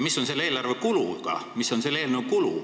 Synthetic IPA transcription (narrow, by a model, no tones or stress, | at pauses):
misːo̞nse̞lːe̞ːlɑrvekuluɡ̥ɑ̰miso̞nse̞lːeːlnewkulu